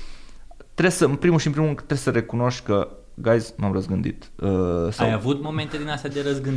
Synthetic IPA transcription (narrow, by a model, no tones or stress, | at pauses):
t̪ɾe̞səɨmpɾimuʃinpɾimurɨnd̪ɾesəɾe̞kuno̞ʃt̪ʲkə | ɡajznuamrəzɡɨnd̪ḭt̪əsa̰javut̪mo̞me̞nt̪ed̪inast̪jad̪eɾəzɡɨn